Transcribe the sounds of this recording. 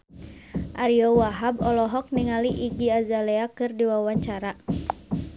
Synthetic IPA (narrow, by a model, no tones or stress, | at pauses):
ʔaɾiɔwaɦabɔlɔɦɔk̚niŋaliʔiɡiazaleakɨrdiwawaɲt͡ʃaɾa